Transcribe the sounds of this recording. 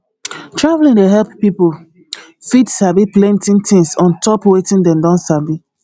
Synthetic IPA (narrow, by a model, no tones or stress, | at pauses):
tɹavlĩndeɦɛlppipo | fidsabiplɛ̃ntĩntĩŋsɔ̃ntɔpwetĩndɛ̃mdɔ̃nsabi